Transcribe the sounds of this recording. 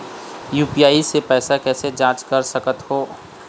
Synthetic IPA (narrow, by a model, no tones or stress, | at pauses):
juːpijaːisepɛːsakɛːsed͡ʒãːt͡ʃkɐɾsɐkət̪ɦoː